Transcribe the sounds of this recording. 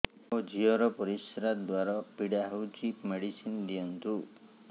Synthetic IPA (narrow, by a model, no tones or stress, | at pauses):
od͡ʒiɔɾɔpɔɾisɾad̪waɾɔbiɽaɦut͡ʃipmeɽisind̪iɔnt̪u